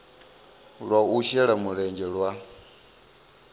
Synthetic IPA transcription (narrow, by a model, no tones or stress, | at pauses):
ɺwauʃɛɺamuɾɛɲd͡ʒɛɺwa